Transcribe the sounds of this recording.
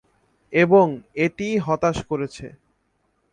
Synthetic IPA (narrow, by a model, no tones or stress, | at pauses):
eboŋeʈiɦɔt̪aʃkoɾet͡ɕʰḛ